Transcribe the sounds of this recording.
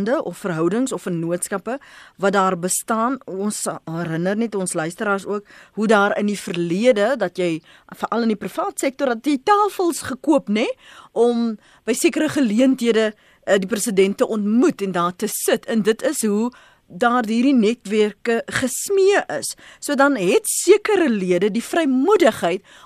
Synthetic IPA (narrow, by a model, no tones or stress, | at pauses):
ndəʔɔfːərɦœwdəŋsɔfərnuətskɐpəvɐtdɑːrbəstɑːnɔnsærənərnɛtɔnslœɥstəɾɑːrsuəkɦudɑːɾəndifərliədədɐtjɛj | fərʔɐləndiprəfɑːtsɛk̚tɔrɐtjɛjtɑːfəlˠsχəkuəpnɛʔɔm | bəjsiəkəɾəχəliəntɦiədə | diprəsədɛntːəʔɔntmutɛndɑːrtəsətʰəndətʰəsɦu | dɑːrɦiːrɾinɛtværkəχəsmiəʔəsːuədɐnɦɛtsiəkəɾəliədədifrɛjmudəχɦəjt